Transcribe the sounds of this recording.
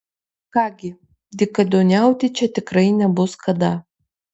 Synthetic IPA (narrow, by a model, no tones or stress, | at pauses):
kɑːɡʲɪ | d̪ʲɪkɐd̪ʲoːnʲæˑʊt̪ʲɪt͡ʃʲɛt̪ʲɪkɾɐɪnʲɛbʊskɐd̪ɐ